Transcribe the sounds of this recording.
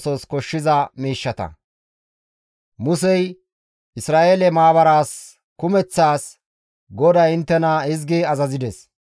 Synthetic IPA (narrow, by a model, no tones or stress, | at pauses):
sɔskɔʃːɪzɐmiːʃːɐt̪ɐ̰ | mʊsɛj | ʔɪsɾaːʔelɛmaːbɐɾaːs | kʊmɛt͡sːaːs | ɡɔd̪ɐɪnt̪ːɛnɐɪzɡɪɐzɐzɪd̪ɛs